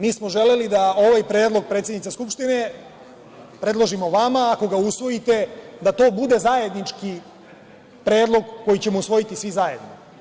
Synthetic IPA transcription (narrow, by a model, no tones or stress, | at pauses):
miːsmo̞ʒe̞le̞lid̪ao̞ʋajpɾeːd̪lˠo̞ɡ̚pɾet̪sʲjed̪nit̪seskupʃt̪ine | pɾe̞dlˠo̞ʒimo̞ʋamaːko̞ɡausʋo̞jit̪e̞d̪at̪o̞ːbud̪e̞zaje̞d̪nit͡ʃki | pɾe̞ːd̪lˠo̞ɡkːo̞jit͡ɕe̞mousʋo̞jit̪isʋizaje̞d̪no